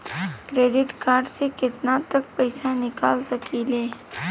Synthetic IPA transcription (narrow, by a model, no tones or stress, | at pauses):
kɾeɖɪʈkaɾɖsekɪt̪nat̪ək̚pəjsanɪkalsəkilẽ